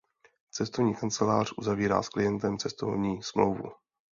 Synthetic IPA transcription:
t͡sɛst̪ovɲiːkant͡sɛlaːr̝̥ʔuzaviːɾa̰ːsklɪjɛnt̪ɛmt͡sɛst̪o̰vɲiːsmlowvṵ

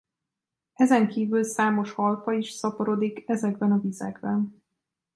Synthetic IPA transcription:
ɛzɛŋkiːvylsaːmo̞ʃhɒlfɒiʃsɒpoɾo̞d̪ikɛzɛɡbɛnɒvizɛ̰ɡbɛn

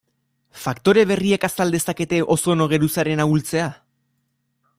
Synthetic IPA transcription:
fakt̪o̞ɾe̞β̞e̞riekasald̪e̞sake̞t̪e̞ʔo̞so̞no̞ɣ̞e̞ɾusaɾe̞naɣult͡se̞a

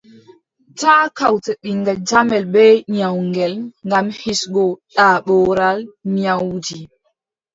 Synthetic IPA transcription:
taːkawtɛɗiŋɡad͡ʒamɛlbɛɲawŋɡɛlŋɡamhisɡɔɗaːɓɔːɾalɲawd͡ʒi

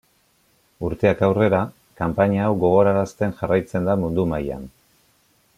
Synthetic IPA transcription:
uɾt̪e̞akawre̞ɾa | kampaɲaːwɡo̞ɣ̞o̞ɾaɾast̪e̞nʝarajt͡se̞nd̪amund̪umaja̰n

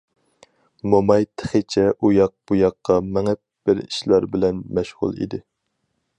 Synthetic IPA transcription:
momɑjt̪ʰə̥χət͡ʃʰɛʔujɑq̚b̥ujɑqʰːɑmɛŋɛp̚b̥ɪɾḭʃlɑɾbɪlɛnmɛʃʁʊ̰lˠḭd̪ɪ

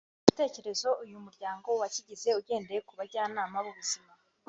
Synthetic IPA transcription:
uβite̞ːce̞ɾe̞zo̞ujumuɾɟaːŋɡo̞waciɟize̞uɟe̞ːndejekuβaɾɟaːnaːmaβuβuzima

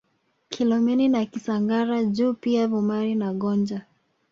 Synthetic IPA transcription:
kʰilɔmɛninakisaŋɡaɾaʄuːpiavumaɾinaɠɔnd͡ʒa

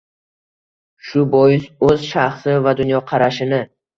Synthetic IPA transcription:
ʃʊbɒjɪsɵzʃaχsɪvad̪ʊnjɒqʰɑɾaʃɪnɪ

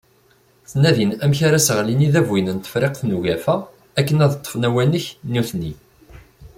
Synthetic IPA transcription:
θnæðinæmçaɾæsəʁliniðævwinənt̪ə̥fɾeqθnuʝæfæ | ækːənæðt̪ˤːə̥fnæwænəçnuθni

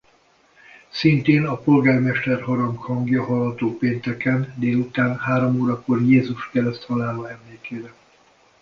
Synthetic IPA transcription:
sint̪eːnɒpo̞lɡaːrmɛʃt̪ɛrɦoɾɒŋkhɒŋɡjɒɦɒlɦɒt̪oːpeːnt̪ɛkɛnd̪eːlut̪aːnhaːɾomoːɾɒko̞rjeːzuʃkɛɾɛst̪hɒlaːloːɛmleːkeːɾɛ

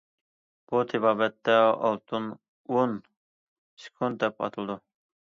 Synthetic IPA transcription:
b̥ut̪ʰɪbɑːbɛt̪ːɛɑ̰lˠt̪ʰɨn | on | sɪ̥kʰund̪̚d̪ɛpɑ̰t̪ʰɨlˠɨd̪u

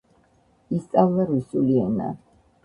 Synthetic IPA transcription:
ist̪sʼavlaɾusuliɛna̰

